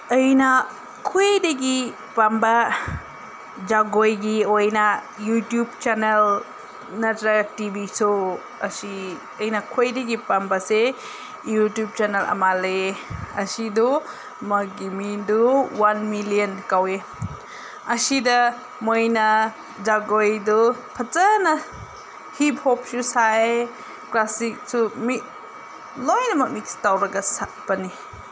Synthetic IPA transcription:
ɐjnɐ | kʰoedɐɡi | pambɐ | d͡ʒaɡojɡiojnɐ | jutjub̚t͡ʃanel | nɐtɾɐtibiso | ɐsi | ɐjnɐkʰojdɐɡipambɐse | jutjup̚t͡ʃanelʔɐ̰maleɐsidu | mɐɡimiduwanmiliənkawe | ɐsidɐ | mojnɐ | d͡ʒaɡojdupʰɐt͡ʃɐnɐ | hipʰhɔp̚susaj | klasik̚sumi | lɔjnɐmɐk̚mik̚stawɾɐɡɐsapɐni

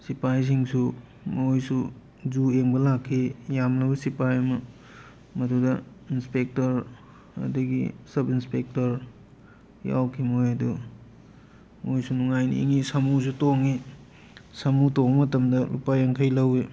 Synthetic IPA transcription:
sipajs̬iŋsu | mojsu | zueŋbɐlakʰːijamlɐbɐsipajɐmɐ | mɐdudɐinspek̚tɐɾ | ɐ̰dɐɡḭsɐbinspek̚tɐɾ | ja̰wkʰimojɐdu | mojsunuŋajnḭḭŋisɐmus̬utoŋi | sɐmutomɐtɐmdɐlupajɐŋkʰɐjlɐwe

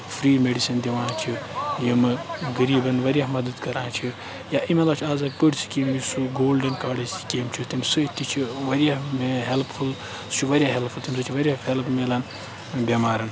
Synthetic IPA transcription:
fʰɾiːmeɖisind̪ʲeʋãːt͡ʃʰijimɨɡɐɾiːbɐnʋɐɾjaɦmɐd̪ɐd̪kɐɾãːt͡ʃʰi | jaːimelaːt͡ʃʰiaːzak̚pəɽt͡sʰi̥kemisuɡoːlɖɐnkaːɽɐi̥keːmt͡ʃʰit̪imsɨit̪ːit͡ʃʰiʋɐɾijamɦelppʰul | st͡ʃʰiʋɐɾʲijaɦelpʰult̪ʰimʲsɐt͡ʃʰiʋɐɾʲjahelpmelan | bʲemaːɾɐn

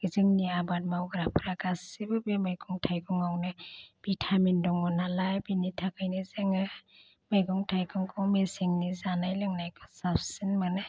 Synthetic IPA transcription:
ɡiziŋniabat̚mawɡɯɾapʰɯɾaɡasibɯbemɯjɡʰɔŋtʰajkɔŋawnɯb̥itʰamindɔŋɔnalajbinitʰakɯjnizeŋɯ | mɯjɡɔŋtʰajkʰɔŋkʰɔwmesiŋnizanajlɯŋnajkʰɔsapʰsinmanɯ

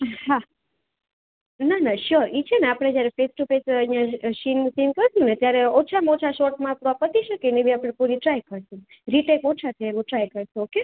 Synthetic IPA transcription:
ha | nanaʃɔɾit͡ʃʰeneapɽ̃ed͡ʒjaɾefesʈufesəijãʃinsinkəɾsũnet̪jaɾeot͡ʃʰamot͡ʃʰaʃoʈmãpɾɔpət̪iʃəkenebiapɽ̃ẽpuɾiʈɾajkəɾʃũ | ɾiʈekot͡ʃʰat̪ʰaeʋoʈɾajkəɾʃũoke

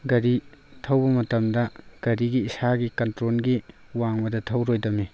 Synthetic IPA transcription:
ɡɐɾitʰɐwbɐmɐtɐmdɐɡ̥ɐɾiɡiisaɡikɐntɾolɡi | waŋbɐdɐtʰɐwɾojdɐmi

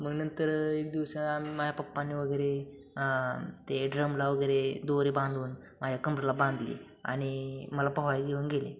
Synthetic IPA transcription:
məɡnənt̪əɾek̚d̪iʋsəamiməd͡ʑʱapəpːanːiʋəɡəjɾe | t̪eɖɾəmlaʋəɡəjɾed̪oɾebãnd̪ʱuːn | mad͡ʑʱakəmpɾəlabãnd̪lḭ | a̰ɽ̃iməlapəɦʋajɡeʋəŋɡelḛ̃

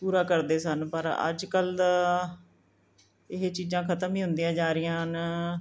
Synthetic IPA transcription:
puːɾaːkəɾd̪eːsənpəɾə̰d͡ʒkəl | ɪɦeːt͡ʃiːzãːkʰət̪əmĩːɦʊ̃nd̪ijãːd͡ʒaːɾɪjãːn

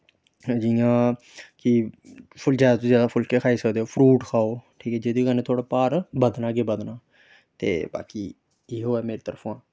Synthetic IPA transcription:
d͡ʒɪjãː | kɪpʰʊld͡ʒɛːt̪õːzjaːd̪aːpʰʊlkeːkʰaːiːsəkd̪eːoːpʰɾuːʈkʰaːoːʈʰiːkɛːd͡ʒed̪iːɡəneːt̪ʰoːɽaːpaːɾbəd̪naːɡeːbəd̪naː | t̪ḛːba̰ːkiː | eːɦoːɛːmeːɾeːt̪əɾpʰãː

